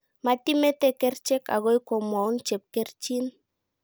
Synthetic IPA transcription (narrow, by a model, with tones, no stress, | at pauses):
ma˨ti˦mɛ˦tɛ˦kɛ˦rt͡ʃɛ˦ka̰˨ɣo˦jkɔ˨mwa˨u˦nt͡ʃɛ˨p̚kɛ˦rt͡ʃi˦n